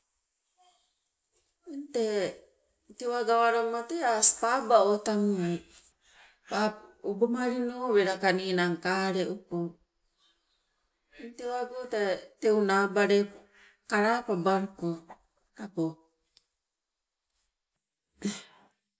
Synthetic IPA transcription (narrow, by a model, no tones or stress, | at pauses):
ente | tewaɡawaɾomateaspabaotamu | paubomaɾinoβeɾakaninaŋkaɾeʔupo | ntewaɡotatewnabaɾe | kaɾapabaɾko | ɾapo